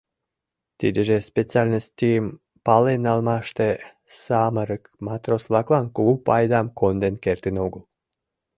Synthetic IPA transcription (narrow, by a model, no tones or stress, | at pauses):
t̪id̪eʒespet͡sialʲnəst̪im | palenalˠmaʃt̪e | saməɾəkmat̪ɾoslˠaklˠankuupajd̪amkond̪enkeɾt̪inoɡəlˠ